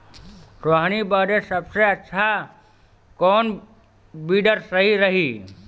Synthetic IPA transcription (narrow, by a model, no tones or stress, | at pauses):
ɾoaɦñibəːɾesəbseətːʃʰa | kɔːn | biːɖəɾsəɦiɾəɦiː